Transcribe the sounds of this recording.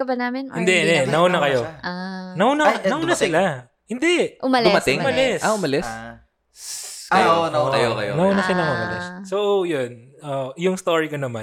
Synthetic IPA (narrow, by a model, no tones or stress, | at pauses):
kɐbɐnaːmɪnhɪnd̪ɛnɛnɐhuːnɐkɐjoanɐhuːnɐnɐuːnasɪla | hɪnd̪ɛʔʊmɐldʊmɐt̪ɪŋmɐlɛsʔaʔʊmɐlɛs | nɐɐjokɐjonɐhuːnɐsɪlɐŋʊmɐlɪ̰ssoʔojonʔojʊŋst̪oɹikonɐman